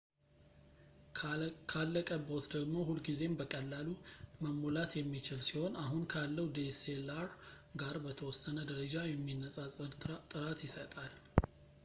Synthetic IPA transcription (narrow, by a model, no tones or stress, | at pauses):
kʰalːəkʼəbot̪d̪əɡmo̞hulɡize̞mbəkʼəlːaluməmːulat̪jɛmːit͡ʃɪlsiho̞naɦunkʰalːəwd̪eselaɾ | ɡaɾbət̪ʰəwɔsːənəd̪əɾəd͡ʒajɛmːinːəsʼasʼət̪ʼɨɾat̪ʰjɪsət̪ʼal